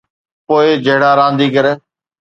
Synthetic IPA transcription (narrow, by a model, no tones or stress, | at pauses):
poːɪd͡ʒəɦɽaːɾãːnd̪iːkəɾeː